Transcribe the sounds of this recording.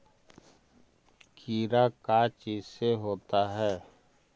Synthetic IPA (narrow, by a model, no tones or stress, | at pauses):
kʰiːɾakat͡ʃiːzseɦoːt̪aɦɛː